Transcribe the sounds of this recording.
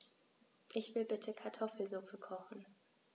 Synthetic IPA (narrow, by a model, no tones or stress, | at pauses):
ʔɪçv̥ɪlbɪtʰəkʰaɐtʰɔfl̩zʊfəkʰɔχn̩